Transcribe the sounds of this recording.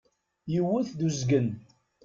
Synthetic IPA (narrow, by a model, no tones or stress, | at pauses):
jəwːʊθðuzɡən